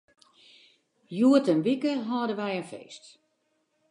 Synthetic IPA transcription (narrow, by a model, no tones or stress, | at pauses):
juətənʋikəɦɔːdəʋɛjənfḛːst